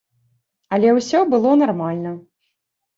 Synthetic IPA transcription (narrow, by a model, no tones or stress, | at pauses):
ɐlʲɛwsʲɔbɨlˠɔnarmalʲnɐ